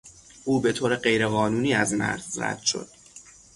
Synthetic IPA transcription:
ʔuːbe̞t̪ʰoːɾeɢe̞jɾeɣɒːnuːniːæzmæ̰ɾzræ̰d̪̥ʃo̞̰d̪̥

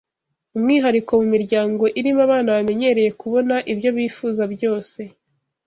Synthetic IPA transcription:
umŋiːɦaɾiko̞mumiɾɟaːŋɡo̞ʔiɾimaβaːnaβame̞ɲe̞ɾe̞je̞kuβo̞naʔibɟo̞βiːfuːzabɟo̞ːse̞

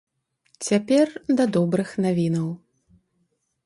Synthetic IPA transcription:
t͡sʲapʲɛrd̪ɐd̪ɔbɾɨxnavʲinɐw

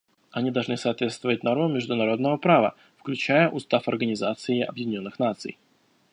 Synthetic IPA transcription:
ɐnʲid̪ɐlˠʐnɨsɐːt̪vʲe̞t̪st̪vəvət̚ʲno̞rmʊmʲɪʐd̪ʊnɐɾo̞d̪nəvəpɾavə̰ | fklʲʉt͡ɕæjəʔʊst̪afɐrɡənʲɪzat̪sɨɪɐ̰bjɪdʲɪnʲo̞nːɨxnat̪sɨ̰j

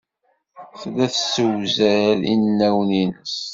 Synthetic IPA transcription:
θlæθsəwzəɾḭnːæwninəs

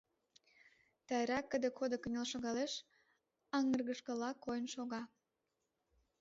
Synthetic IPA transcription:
t̪ɑjɾɑkːəd̪ə̆kʰod̪okənʲelʃoɣɑleʃ | ɑŋərɣəʃkə̆lɑkːojənʃoɣɑ

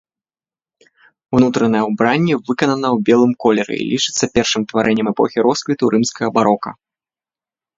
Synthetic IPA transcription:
unut̪ɾɐnɐjɛwbɾanʲːɛvɨkɐnɐnɐwbʲɛlˠɨmkɔlʲɛɾɨ̰ḭlʲit͡ʂɨt̪sːɐpʲɛrʂɨmt̪vaɾʔɛnʲːɛmɛpɔ̰xʲiɾɔsklʲit̪uɾʔɨmskɐɣɐbaɾɔkɐ̰

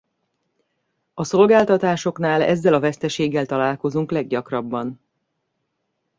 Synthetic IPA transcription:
ɒso̞lɡaːlt̪ɒt̪aːʃo̞knaːlɛ̰zːɛlɒvɛst̪ɛʃeːɡːɛlt̪ɒlaːlko̞zuŋklɛɡ̚ɟɒkrɒbːɒn

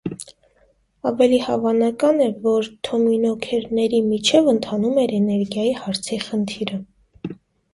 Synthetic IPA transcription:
ɑvɛlihɑvɑnɑkɑnɛvɔɾt̪ʰɔminɔkʰɛɾnɛɾimit͡ʃʰɛvənt̪ʰɑnumɛɾɛnɛɾɡjɑjihɑɾt͡sʰiχənt̪ʰiɾə

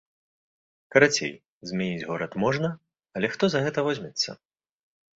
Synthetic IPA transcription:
kɐɾat͡sʲḛj | zʲmʲanʲid͡zʲɣɔɾɐt̪mɔʐnɐ | ɐlʲɛxt̪ɔzɐɣɛt̪ɐvɔzʲmʲɛt̪sːɐ̰

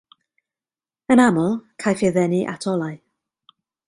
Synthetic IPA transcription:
ənamʊlˠkʰajfɪðɛniʔa̰tʰɔlˠaj

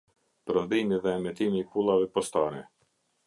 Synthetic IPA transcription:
pɾɔnd̪imiðɛːmɛt̪imiːpulˠavɛpɔst̪aɾɛ

